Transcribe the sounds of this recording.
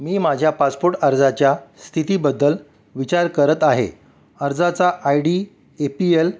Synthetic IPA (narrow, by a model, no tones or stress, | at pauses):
miːmad͡ʑʱjapaspoɾʈəɾd͡zat͡ɕjast̪ʰit̪iːbəd̪ːəl | ʋit͡ɕaɾkəɾət̪aɦḛ | əɾd͡zat͡saʔajɖiː | epiel